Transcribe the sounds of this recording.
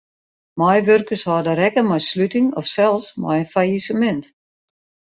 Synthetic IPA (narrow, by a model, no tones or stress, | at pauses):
majʋørkəshɔːdəɾɛkəmɔjslytɪŋɔfsɛlˠsmɔ̰jənfajisəmɛnt